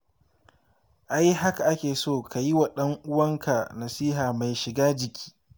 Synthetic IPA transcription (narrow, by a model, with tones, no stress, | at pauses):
ʔa˦jɦa˦ka˨ʔa˦kʲeː˨soː˦˨ka˨ji˦wa˨ɗɐ˦ŋʔʊ˦wɐ˦ŋkʰa˨nɐ˨siː˦ɦaː˨ma˨jʃɪ˨ɡaː˦d͡ʒɪ˨kʲi̥ː˦